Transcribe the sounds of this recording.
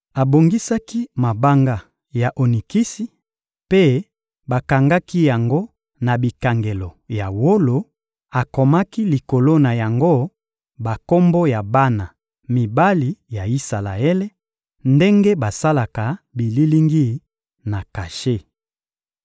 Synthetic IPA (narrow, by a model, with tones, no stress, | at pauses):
a˨bo˨ŋɡi˦sa˦ki˦ma˨ba˦ŋɡa˦ | ja˨ʔo˨ni˨ki˦si˦ | pe˦ | ba˨ka˨ŋɡa˦ki˦ja˨ŋɡo˦ | na˨bi˨ka˨ŋɡe˨lɔ˨ja˨wo˦lo˨ | a˨kɔ˨ma˦ki˦li˨ko˨lo˦na˨ja˨ŋɡo˦ | ba˨ko˦mbo˦ja˨ba˦na˨ | mi˨ba˦li˨ja˨i˦sa˨la˨e˦le˦ | nde˦ŋɡe˦ba˨sa˦la˨ka˨bi˨li˦li˦ŋɡi˦ | na˨ka˨ʃe˦